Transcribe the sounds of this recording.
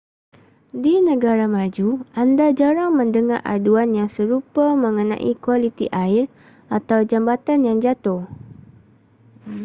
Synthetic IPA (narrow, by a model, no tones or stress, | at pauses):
dinə̃ɡaɾamãd͡ʒuʔandad͡ʒaɾaŋmə̃ndəŋarʔa̰duanjaŋsəɾupamə̃ŋənã̰ʔḭkwalit̪iʔaɪr | ʔat̪awd͡ʒambat̪anjaŋd͡ʒat̪ʊh